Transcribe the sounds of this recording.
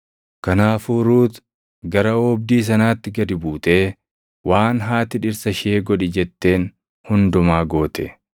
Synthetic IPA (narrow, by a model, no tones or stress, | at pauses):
kɐnaːfuːɾuːt̪ | ɡɐɾɐɔbd̪iːs̬ɐnaːt̪ːɪɡɐd̪ɪbuːt̪e̞ː | wʔaːnɦaːt̪ɪᶑɪɾsɐʃɪeːɡɔᶑɪd͡ʒɛt̪ːe̞ːn | hʊnd̪ʊmaːɡo̞ːt̪ɛ̥